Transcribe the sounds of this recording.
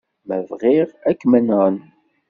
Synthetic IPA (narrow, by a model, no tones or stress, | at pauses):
mævʁiʁækːmənən